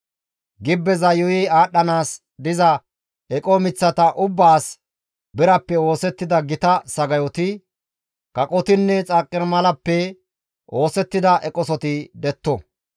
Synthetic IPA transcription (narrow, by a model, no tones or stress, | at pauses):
ɡɪbːɛzɐjɔjɪaːɗːɐnaːs | d̪ɪzɐ | ɛkʼɔmɪt͡sːɐt̪ɐʔʊbːaːs | bɪɾɐpːɛo̞ːsɛt̪ːɪd̪ɐɡɪt̪ɐsɐɡɐjɔt̪ɪ | kɐkʼɔt̪ɪnːɛt͡sʼakʼːɪɾmɐlɐpːɛ | ʔo̞ːsɛt̪ːɪd̪ɐʔɛkʼɔsɔt̪ɪd̪ɛt̪ːɔ